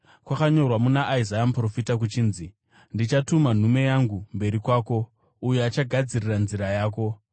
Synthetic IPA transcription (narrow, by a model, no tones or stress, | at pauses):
kwakaɲo̞rwamunaʔizajamupro̞fitak̬ut͡ʃiːnzi | ndit͡ʃatuman̤ume̞jaŋɡumbe̞ɾikwaːko̞ | ujuat͡ʃaɡʱad͡ziriranziɾajaːk̬o̞